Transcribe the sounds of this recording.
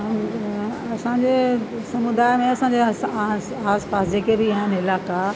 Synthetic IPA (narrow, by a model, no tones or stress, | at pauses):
ɐsãɲd͡ʑe | sɐmʊd̪aːjmẽɐsãːɲd͡ʑe | aːspaːsd͡ʑeːkebiaːɦɪnɪlaːka